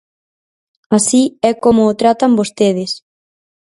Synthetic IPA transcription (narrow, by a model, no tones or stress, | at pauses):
asiɛkomoːt̪ɾat̪ambost̪eðɪs